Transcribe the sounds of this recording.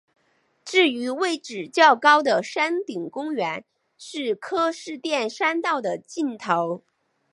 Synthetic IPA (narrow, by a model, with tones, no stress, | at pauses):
ʈ͡ʂɻ̩˥˩y˧˥we˥˩ɪʈ͡ʂɻ̩˨˩t͡ɕjɑ˥˩ʊkɑ˥ʊd̪ə˨ʂa˥nt̪i˨˩ŋkʊ˥ŋɥɛ˧˥n | ʂɻ̩˥˩kʰɤ˥ʂɻ̩˥˧t̪jɛ˥˩nʂa˥nt̪ɑ˥˩ʊd̪ə˩t͡ɕi˥˩nt̪ʰo˧˥ʊ